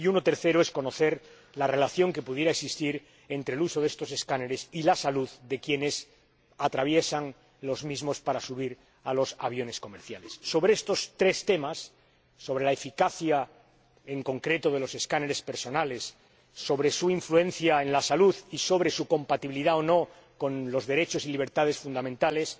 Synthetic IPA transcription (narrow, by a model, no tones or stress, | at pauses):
iunot̪e̞ɾθe̞ɾoe̞sko̞no̞θe̞ɾ | lare̞laθjo̞ŋke̞puðjeɾaeksist̪iɾ | e̞nt̪ɾeluso̞ðe̞st̪o̞s̬e̞skaneɾe̞silasaluðd̪e̞kje̞ne̞s | at̪ɾaβ̞je̞saŋ | lo̞zmizmo̞spaɾasuβ̞iɾ | alo̞saβjo̞ne̞sko̞me̞ɾθjale̞sːo̞βɾeest̪o̞st̪ɾe̞st̪e̞masː | o̞βɾe̞laefikaθja | e̞ŋko̞ŋkɾe̞t̪o̞ð̞e̞lo̞se̞skaneɾe̞speɾso̞nale̞sː | o̞βɾe̞suiɱflue̞n̟θjae̞nlasaluðiso̞β̞ɾe̞suko̞mpat̪iβiliðaono̞ | ko̞nlo̞zðe̞ɾe̞t͡ʃo̞siliβ̞e̞ɾt̪að̞e̞sfund̪amẽnt̪ale̞s